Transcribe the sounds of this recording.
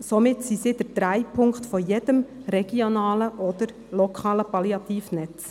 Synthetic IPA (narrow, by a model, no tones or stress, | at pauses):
somɪtsisidəɾd̥ɾæɪpʰʊŋktfɔjedəmɾɛɡ̥ionɑːləʔɔd̪̥əɾ | lɔkʰɑːləpɑliɑt̪iːfnɛt͡s